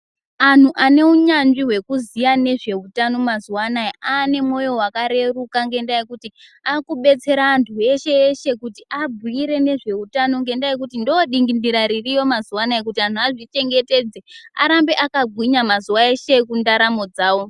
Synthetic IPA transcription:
an̤uʔane̞uɲanʐiɦwe̞kuzijane̞ʐe̞utano̞mazuwanajiʔaːne̞mo̞jo̞wakaɾe̞rukaŋɡe̞ndajekutiakuɓe̞t͡se̞ɾaːntʰue̞ʃe̞ːʃe̞kutiʔabʱiiɾe̞ne̞ʐe̞utano̞ŋɡe̞ndajek̬utindoɗiŋɡindiɾaɾirijo̞mazuwanaek̬utian̤ʰuaʐit͡ʃe̞ŋɡe̞te̞d͡zea̰ɾambe̞ʔakaɡʱwiɲamazuwae̞ʃe̞kundaɾamo̞d͡zaːwo̞

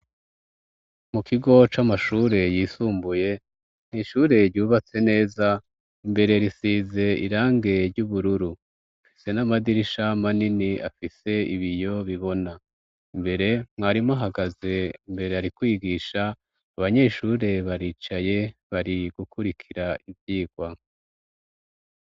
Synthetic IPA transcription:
mukʰiɡo̞t͡ʃamaʃuːɾe̞jiːsuːmbuje̞ | n̥hiʃuːɾe̞ɾɟuːβat͡se̞ne̞ːza | imbe̞ɾeɾisiːze̞ḭɾaːŋɡe̞ɾɟuːβuɾuɾu | fise̞namadiɾiʃamaniniafise̞iβijo̞βiβo̞na | imbe̞ɾe̞mŋaɾimaɦaɡaze̞imbe̞ɾeaɾikwiːɡiːʃaː | βaɲe̞ʃuɾe̞βaɾiːt͡ʃaje̞βaɾiɡ̥ukuɾikʰiɾaivjiːɡ̥wa

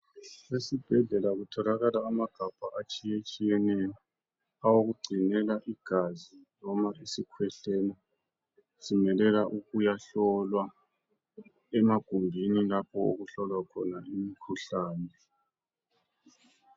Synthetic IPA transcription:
esib̥ʱɛɮɛlaɣutʰɔlaɣalaːmaɡ̥ʱab̥ʱaʔat͡ʃʼijet͡ʃʼijɛnɛjɔ | awoɣuɡ͡ǀʱinɛlaʔiɡ̥ʱazinɔmaisikʰwɛɬɛnɛ | z̥imɛlɛlaʔuɣujaɬɔlwa | ɛmaɡ̥ʱumbʱinilapʰɔo̰ɣuɬɔlwakʰɔnaʔimikʰuɬaːnɛ

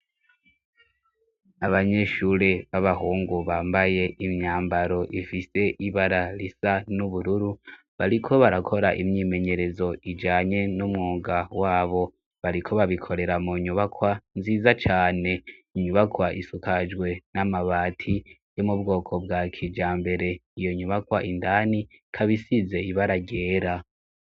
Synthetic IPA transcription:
aβaɲe̞ʃuɾeβaβahuːŋɡuβaːmbaje̞ʔimɲaːmbaɾo̞ʔifise̞ʔiβaɾaɾisanuβuɾuɾu | βaɾikʰo̞βaɾakʰo̞ɾaʔimɲiːme̞ɲe̞ɾe̞zo̞id͡ʒaːɲe̞numŋuːɡawaːβo̞ | βaɾikʰo̞βaβikʰo̞ɾe̞ɾamuɲuβakwanziːzat͡ʃaːne̞iɲuβakwaʔisukad͡ʒɡwe̞namaβaːtʰi | jomubɡo̞ːkʰo̞bɡakʰid͡ʒaːmbe̞ɾe̞ijo̞ɲuβakwaʔindani | kʰaβisize̞iβaɾaɟe̞ːɾa

